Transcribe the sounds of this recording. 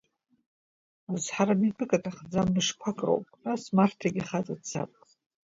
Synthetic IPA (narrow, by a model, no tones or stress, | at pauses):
uzħaɾamipʰʼɨkʼatʰʼaχd͡zamnɨʂkʷʰakʼro̰wpʼrasmartʰaɡʲiχat͡sʼadt͡sʰa̰pʼ